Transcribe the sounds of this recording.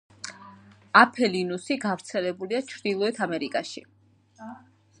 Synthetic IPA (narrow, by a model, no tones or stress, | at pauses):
apʰɛlinusiɡavɾt̪sʰɛlɛbuliat͡ʃʰɾd̪̥ilˠɔɛt̪ʰamɛɾikʼaʃi